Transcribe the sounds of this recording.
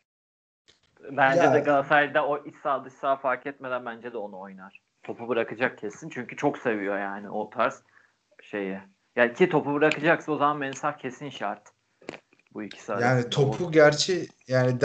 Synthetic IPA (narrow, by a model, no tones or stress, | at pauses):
bænd͡ʒɛd̪ɛɡaasad̪ɛoʔisːaːd̪ɯʃsaːfaɾkʰɛt̪me̞d̪ænbænd͡ʒɛd̪ɛo̞nuo̞jnaɾ̥ | t̪ʰo̞pʰubɯɾakɯd͡ʒak̚cʰe̞sint͡ʃʰyɲcyt͡ʃʰo̞kse̞vijo̞jaːnɪ̰ʔot̪ʰaɾs | ʃe̞jɛ | jaːicʰit̪ʰo̞pubɯɾakɯd͡ʒaksɯno̞zamanmɛnsaxcʰe̞sinʃaɾt̪ | buicʰi̥sajaːnit̪ʰopʰuɟæɾt͡ʃʰɛjaːni